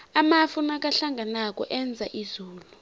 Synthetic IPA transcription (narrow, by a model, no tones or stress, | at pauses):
amafunak̬ʼaɬaŋɡʱanak̬ʼɔʔɛnd͡zʱaʔizuːlu